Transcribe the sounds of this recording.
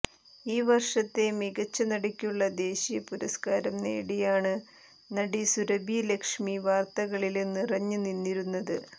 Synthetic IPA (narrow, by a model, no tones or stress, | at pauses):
iːʋɐrʂɐt̪ːe̞miɣɐt͡ɕːɐnɐɽɐkʲːuɭːɐd̪e̞ːɕijɐpuɾɐ̰skaːɾɐmnḛːɽijaːɳɨ | nɐɽisuɾɐbʱilekʂmiʋaːrt̪ɐɣɐɭilnirɐɲːuninːiɾunːɐðɨ